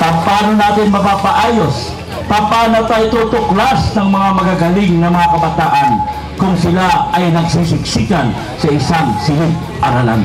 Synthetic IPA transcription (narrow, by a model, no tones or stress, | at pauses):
pɐmpaːnonaːt̪ɪnmɐpaːpaʔaːjo̞s | pɐpaːnot̪at̪ot̪oklasnɐŋmɐŋamɐɡaɡɐliŋnɐmɐŋakɐbɐt̪aːʔɐn | kʊŋsɪlaɐjnɐɡ̚sisɪksiːk̪an | sɐʔɪsaŋsɪlɪt̪̚ | ʔɐɾala̰n